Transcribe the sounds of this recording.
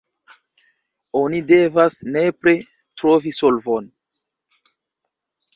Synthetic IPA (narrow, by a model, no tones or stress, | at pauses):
o̞nide̞vasne̞pɾe | tɾo̞viso̞lvon